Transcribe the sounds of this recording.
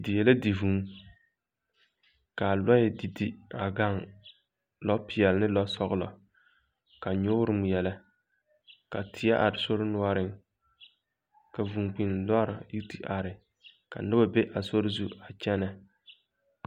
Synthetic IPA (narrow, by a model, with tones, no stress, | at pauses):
dɪ˨jɛ˨la˦di˨vu˨˦ŋ | ka˨lɔ˦ɪ˨di˨di˦a˨ɡa˦ŋ | lɔ˦pɪ˨ɛ˨lnɪ˦lɔ˦sɔ˦ɣʊ˦lɔ̰˨ | ka˨ɲʊ˦ɾɨ˦m˨jɛ˨la˦ | ka˨tʰɪ˨ja˦ʔa˨ɾɪ˨so˦ɾɪ˦nʊ˦a˦ɾɪ˦ŋ | ka˨vu˨ŋk͡pi˨n˨lɔ˦ɾa˨ji˦ti˦ʔa˨ɾɪ˨ | ka̰˨nɨ˦ba˦be˦ʔa˨so˦ɾɪ˦zu˦a˨t͡ʃɛ˦na˨